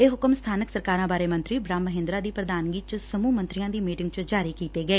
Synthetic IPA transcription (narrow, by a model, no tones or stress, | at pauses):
eːɦʊkəmst̪ʰaːnəksəɾkaːɾãːbaːɾeːmə̃nt̪ɾiːbɾaːmːəɦɪ̃nd̪ɾaːd̪iːpɾəd̪aːnɡiːt͡ʃsəmuːmə̃nt̪ɾɪjãːd̪iːmiːʈɪŋɡt͡ʃd͡ʒaːɾiːkiːt̪eːɡəeː